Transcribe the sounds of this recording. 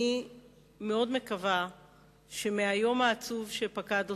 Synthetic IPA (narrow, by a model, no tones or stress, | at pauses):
i | me̞o̞dme̞kava | ʃe̞meajo̞maːt͡suvʃepakado